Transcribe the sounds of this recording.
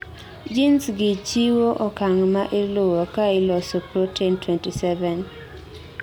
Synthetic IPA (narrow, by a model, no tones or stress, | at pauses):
d͡ʒinsɡɪt͡ʃiwoʔokaŋmaʔɪlowokailɔsɔpɾotʰɛntwɛntisɛvɛn